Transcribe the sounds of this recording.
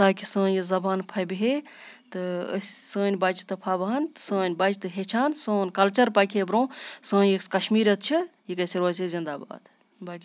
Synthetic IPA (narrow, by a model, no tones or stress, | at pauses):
t̪aːkisə̃ːnjizɐbaːnpʰɐbiɦe | t̪ɨə̰sʲsə̃ːnʲbɐd͡ʒit̪ɐpʰabɐɦɐnt̪sə̃ːnʲbɐd͡ʒt̪ɨɦet͡ʃʰaːnsə̃ːnkɐlt͡ʃɐɾpɐkʰebɾõːsə̃ːnjikɐʃmiːɾɐt̪̚t͡ʃʰijikɐsiɾʋat͡ʃizind̪aːba̰ːd̪ | bakʲi